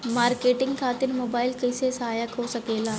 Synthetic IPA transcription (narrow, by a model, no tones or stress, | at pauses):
maːɾkeʈɪŋɡkʰat̪ɪɾmobailkəjsesəɦaːjəkɦosəkela